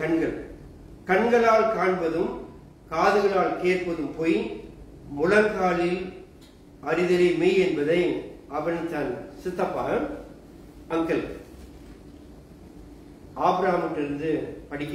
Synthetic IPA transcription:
kɐɳɡɐɭ | kɐɳɡɐɭaːlkaːɳʋɐðɯm | kaːðɯɣɐɭaːlkeːrpɐðɯmpoːj | mʊlɐlkaːlɪl | ʔɐɾɪðɪɾɐmiɛnbɐðɐɪɐʋɐnt̪ɐnsɪt̪ːɐpːa̰ːɣɐ | ɐŋɡɐɭ | aːbɾaːmɐʈːɪɾɯnd̪ɯpɐɽɪkː

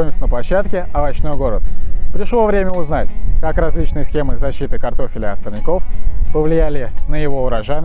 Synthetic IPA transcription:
oɪmsʲənəplˠɐɕːat̪kʲɪɐvɐt͡ɕno̞jɡo̞ɾət̪pɾʲɪʂlˠo̞vɾʲemʲəʊznatʲkakɾɐzʲlʲit͡ɕnɨjəsxʲe̞mɨzɐɕːit̪ɨkɐrt̪o̞fʲɪlʲɪɐt̪sərnʲɪko̞fpəvlʲɪjælʲɪnəjɪvo̞ʊɾɐʐanʲ

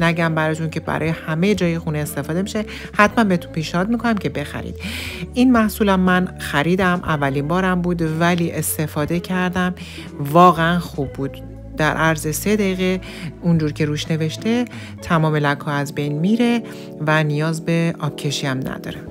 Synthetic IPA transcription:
næɟæmbæɾɒːt̪ʰuncʰe̞bæ̰ɾɒ̰ːjehæmejed͡ʒɒːjexuːneːst̪e̞fɒːd̪e̞miʃe̞ | hæt̪ʰmænbeet̪ʰu̥npʰiːʃnehɒːd̪̚miːkʰo̞næmcʰe̞be̞xæ̰ɾḭd̪ʔinmæhsuːlæmːænxæɾiːd̪æmʔævːælimbɒːɾæmbuːd̪væliːʔe̞st̪e̞fɒːd̪ecʰæɾd̪æm | vɒːɣeænxubːuːd̪̥ː | æɾʔæɾzese̞d̪eiːɣe | und͡ʒuːɾcʰe̞ɾuːʃne̞ve̞ʃt̪e̞ | t̪ʰæmɒːme̞lækʰhɒːæzbe̞jnmiːɾe̞ | vænijɒːzbe̞ɒːbcʰːe̞ʃiːæmnæ̰d̪̥ɒ̰ːɾe

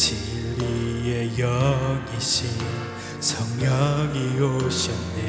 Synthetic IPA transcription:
t͡ɕʰiiejʌɡiɕi | sʰʌŋjʌɡioɕʌne

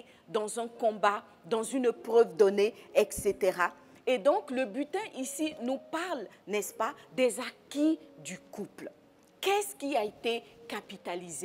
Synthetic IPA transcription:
d̪ɑ̃zɛ̃kɔ̃ba | d̪ɑ̃zynpχœvd̪ɔneɛkset̪eʁa | ed̪ɔ̃kləbyt̪ɛ̃ʔisinupaʁlnɛspad̪ɛzakid̪ykupl | kɛskʲiaet̪ekapit̪alize

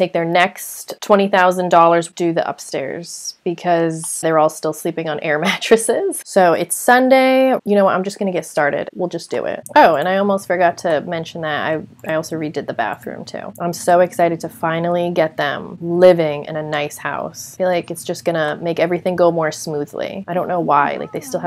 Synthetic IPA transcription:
tʰeɪk̚ðə˞nɛksttʰw̥ɛ̃ɾ̃iθaʊzɨ̃ndɔlˠə˞zd̥ɨðḭʔʌ̰pstɛ̰ɹz̥b̥ɨkʰʌzðə˞ɔlˠstɪlˠslipɪ̃ŋə̃nʔɛɹmæt͡ʃɹ̥ɨsɪz̥soʊɪtsʌ̃ndeɪjɨnoʊwʌɾãɪ̃md͡ʒʌsɡ̥ʌnɨɡɛtstɑɹɾɪ̰d̥wilˠd͡ʒʌsd̥ɨ̰ɪ̰t̚ʔoʊɨ̃ñaɪɔlˠmoʊstfə˞ɡɑtʰɨmɛ̃nʃn̩ðɨt̚a̰ɪaɪɔlˠsoʊɹidɨd̪̚ðɨbæ̰θɹʉ̰̃mtʰʉ̰ʔãɪ̃msoʊɨksaɪɾɨd̚tʰɨfãɪ̃nl̩ˠiɡɛt̪̚ðɨ̰̃mlɪvɪ̃ŋɪ̰̃nɨnaɪsha̰ʊsb̥ilaɪkɨtsd̥ʒ̥ʌsɡ̥ʌnəmeɪkɛvɹiθɪ̃ŋɡoʊmɔɹsmuðlḭaɪɾõʊ̃nːoʊwaɪlaɪk̚ðeɪstɪlˠ

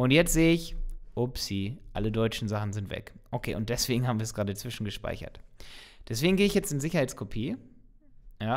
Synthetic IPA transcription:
ʔʊntjɛt͡stz̥eːəɪçʔopsiːʔa̰lədɔʏt͡ʃn̩zaχn̩zɪntv̥ɛ̰kʔokʰḛːʊnt̚d̥ɛsv̥eːɡŋ̩ɦaːm̩viːɐsɡ̥ʁaːdət͡sv̥ɪʃn̩ɡəʃpa̰ɪçɐ̰td̥ɛsv̥eːɡŋ̩ɡeːɪçjɛt͡stɪnzɪçɐhaɪtt͡skʰopʰiː | jaː

